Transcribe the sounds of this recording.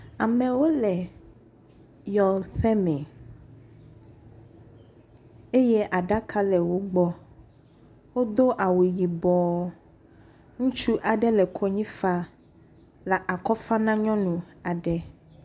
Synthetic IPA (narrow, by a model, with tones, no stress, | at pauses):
a˨mɛ̃˨wo˦lɛ˨ | jɔ˨ɸɛ˦mɛ̃˨ | e˦je˦ʔa˨ɖa˦kʰa˦lɛ˨wo˦ɡ͡bɔ˦ | wo˦d̪o˦ʔa˨we˨ji˨bɔ˨˦ | ŋũ˦t͡ʃu˦ʔa˨ɖɛ˦lɛ˨kʰɔ˦ɲĩ˦fa˦ | la˨ʔa˨kɔ˦fa˦nã˦ɲɔ̃˦nũ˨a˨ɖɛ˦